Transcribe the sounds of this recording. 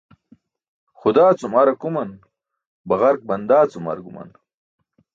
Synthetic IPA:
xʊd̪aːt͡sumɐɾɐkumɐn | bɐɣɐɾk̚bɐnd̪aːt͡sumɐ̰ɾɡumɐ̰n

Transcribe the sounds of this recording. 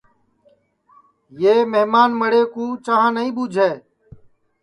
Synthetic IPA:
jeːmeɦmaːnməɽeːkũːt͡ʃaːɦãːnəĩːbuːd͡ʒʱeː

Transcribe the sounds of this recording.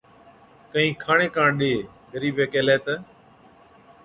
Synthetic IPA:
kəɦĩːkʰaːɳeːkãːɳɗeː | ɡəɾiːbeːkeːleːt̪əː

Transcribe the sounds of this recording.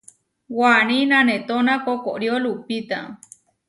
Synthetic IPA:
wañĩnãnẽt̪onãkokoɾjolupit̪a

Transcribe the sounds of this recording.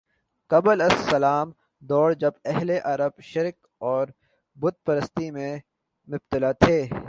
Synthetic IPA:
kɐbəlɐsːɐlaːm | d̪ɔːɽd͡ʒɐbɛɦleʔɐɾəbʃɪɾk | ɔːɾ | bʊd̪̚pɐɾəst̪imẽ | mʊbt̪ɪlat̪ʰeː

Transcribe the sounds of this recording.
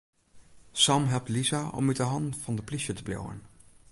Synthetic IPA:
sɑmɦɛlˠp̚tlizaʔɔ̰mytdəɦɑntfɑndəpliʃətəblḛwə̰n

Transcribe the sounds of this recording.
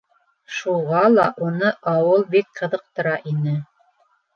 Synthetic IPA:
ʃuʁɑlˠɑʔunɤʔɑwɤlˠbik̚qɤ̆ðɤ̆q̚t̪ɤ̆ɾɑʔinɘ

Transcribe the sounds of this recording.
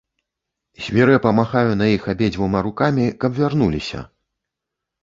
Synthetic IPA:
zʲvʲɛɾɨpɐmaxajunɐjixabʲed͡zʲvumaɾukamʲikɐbvʲarnulʲisʲɐ̰

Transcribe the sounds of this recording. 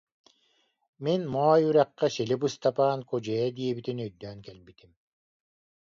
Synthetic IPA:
menmaːjyɾaqːɑʃelʲipust̪ʰapaːnkod͡ʒed̪iebit̪inøjd̪øːŋkelmbit̪im

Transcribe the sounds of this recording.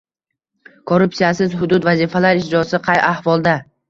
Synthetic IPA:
kʰoɾːʊpsijasɪzhʊd̪ʊd̪vazifalaɾɪʃd͡ʒɒsɪqʰɑjʔahvɒlˠd̪a

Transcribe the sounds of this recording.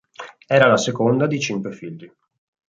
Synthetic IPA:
ɛːɾalasekond̪ad̪it͡ʃiŋkwefiʎːi

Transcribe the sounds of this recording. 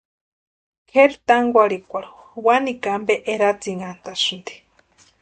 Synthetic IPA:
kʰeɾt̪aŋɡʷaɾikʷaɾuwanikambɛʔeɾat͡siŋant̪asund̪i̥

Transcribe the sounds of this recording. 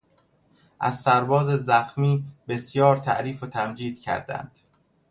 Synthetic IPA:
ʔæ̰zsæɾbɒːzezæxmiːbe̞sjɒːɾt̪ʰæ̰ʔɾiːfot̪ʰæmd͡ʒiːd̪̥̚cʰæ̰ɾd̪æ̰nd̪̥

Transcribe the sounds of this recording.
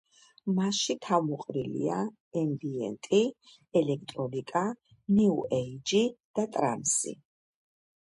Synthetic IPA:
maʃit̪ʰamuqʼɾilḭa | ɛmbiɛ̰nt̪ʼi | ɛlɛk̚ʰt̪ʼɾɔnikʼa | niuʔɛid͡ʒid̪̥at̪ʼɾa̰msḭ

